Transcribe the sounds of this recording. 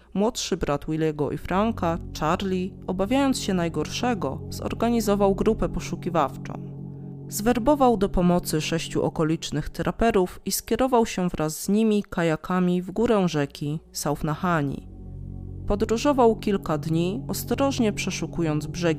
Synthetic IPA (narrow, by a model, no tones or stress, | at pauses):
mwɔt̪ʂɘbɾat̪wilʲɛɡɔʔḭfɾaŋkat͡ʂaɾlʲiɔbavʲjajɔnsɕɛnajɡɔɾʂɛɡɔz̥ɔ̰ɾɡaɲizɔvawɡɾupɛpɔʂukʲivaft͡ʂɔ̰̃w̃ | zvɛɾbɔvawd̪ɔpɔmɔt̪sɘʂɛɕt͡ɕṵʔɔkɔlʲit͡ʂnɘxt̪ɾʔapɛɾufiskʲɛɾɔvawɕɛvɾʔazːɲimʲikajakʰamʲivɡuɾɛ̃ʐɛkʲʰisawfnaxaɲḭ | pɔd̪ɾuʐɔvawkʲilkad̪ɲiɔst̪ɾɔʐɲɛpʂɛʂukujɔnd̪zbʐɛɡʲ